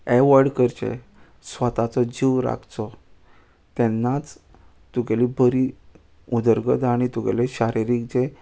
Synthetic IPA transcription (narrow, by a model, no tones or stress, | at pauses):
ɛʋəɾɖkəɾt͡ɕḛ | sʋət̪at͡sɔd͡ʑiʋɾa̰kʰt͡sɔ | t̪ɛnːat͡s | t̪uɡalibʱəɾi | ud̪əɾɡəd̪aɽ̃it̪uɡḛleɕaɾiɾik̚d͡ze